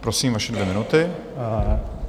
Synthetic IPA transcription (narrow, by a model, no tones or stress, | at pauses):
pɾosiːmvaʃɛdvjɛmɪnut̪ɪ